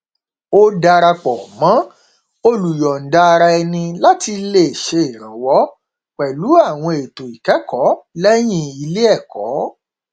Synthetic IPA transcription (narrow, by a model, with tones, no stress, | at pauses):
o˦da˧ɾa˧k͡pɔ˨mã˨˦ | o˧lu˨jɔ˨n̩˨da˧a˧ɾa˧ɛ˧nĩ˧la˦ti˧le˦˨ʃe˧e˨ɾ̃ã˨wɔ˨˦ | kɛ˨lu˨˦a˦˨w̃ɔ̃˧e˨to˨i˨kɛ˨˦kɔ˨˦lɛ˦j̃ĩ˦i˧le˦ɛ˦˨kɔ̰˨˦